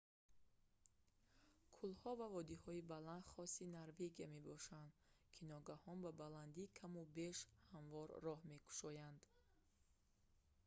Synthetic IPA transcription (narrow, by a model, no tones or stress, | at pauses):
kʰulhɔvavɔd̪ihɔibaland̪χɔsinaɾve̞ɡiame̞bɔʃand̪ | kʰinɔɡahɔnbabaland̪ikʰamubeʃhaɱvɔɾːɔhme̞kʰu̥ʃɔjand̪̥